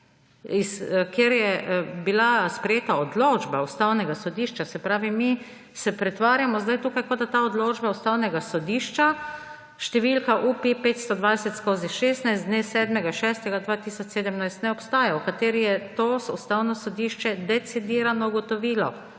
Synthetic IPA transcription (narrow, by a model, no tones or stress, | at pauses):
iskjeɾjɛbilaspɾɛjeːt̪aɔd̪loːd͡ʒbaust̪awnɛɡasɔd̪iːʃt͡ʃasɛpɾaːʋimi | sɛpɾɛt̪ʋaːɾjamɔzd̪ajt̪uːkajkod̪at̪aɔd̪loːd͡ʒbaust̪awnɛɡasɔd̪iːʃt͡ʃa | ʃt̪ɛʋilkaʔupipeːt̪st̪ɔd̪ʋajsɛt̪skoːziʃeːst̪najst̪d̪nesɛːd̪mɛɡaʃɛst̪ɛɡad̪ʋaːt̪iːsɔt͡ʃseːd̪əmnajst̪nɛɔpst̪aːjaukat̪eːɾijɛt̪osust̪aːwnɔsɔd̪iːʃt͡ʃɛd̪ɛt̪sid̪iːɾanɔuɡɔt̪ɔʋiːlɔ